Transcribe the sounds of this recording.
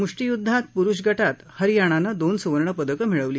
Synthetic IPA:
muʂʈijud̪ʱːat̪̚puɾuɕɡəʈat̪həɾjaɽ̃anad̪onsuʋəɾɳəpəd̪əkəm̤iɭəʋliː

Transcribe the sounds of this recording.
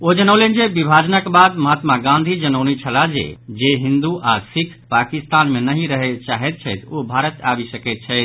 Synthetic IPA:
od͡ʒənəʊlend͡ʒebibʱaːd͡ʒnəkbad̪məɦat̪maɡãnd̪ʱid͡ʒənəʊnit͡ʃʰəlad͡ʒḛd͡ʒeɦĩnd̪uʔasikʰpakist̪aːnmenəɦĩɾəɦet͡ʃaɦɛt̪̚t͡ʃʰɛt̪obʱaːɾət̪abisəkɛt̪̚t͡ʃʰɛt̪

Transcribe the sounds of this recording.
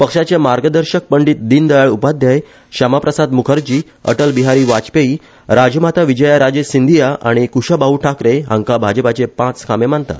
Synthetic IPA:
pəkʂat͡ɕjamaɾɡəd̪əɾɕək̚pəɳɖiːt̪̚d̪iːnd̪əjaɭupad̪ʱjaj | ɕamapɾəsad̪mukʰəɾd͡ʑiː | ə̰ʈəlbiɦaɾiːʋat͡speiː | ɾad͡ʑmat̪ʰaʋid͡ʑəjaɾad͡ʑesind̪ʱijaʔa̰ɽ̃ikuɕəbauʈʰakɾeɦã̰ŋkabʱad͡ʑəpat͡ɕepãt͡skʰamem̤aɳt̪a̰

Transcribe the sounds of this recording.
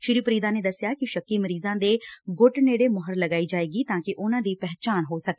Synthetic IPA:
ʃɪɾiːpɾiːd̪ãːneːd̪əsɪjaːkɪʃəkːiːməɾiːzãːd̪eːɡʊʈneːɽeːmɔɦəɾləɡaːiːd͡ʒaːeːɡiːt̪ãːkɪʔʊnãːd̪iːpɛɦt͡ʃaːnɦoːsək̚ː

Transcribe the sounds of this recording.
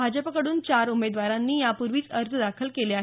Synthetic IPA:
bʱad͡ʑəpəkəɽuːnt͡ɕaɾumed̪ʋaɾãnːiːjapuɾʋiːt͡səɾt̪ʰəd̪akʰəlkeleaɦ

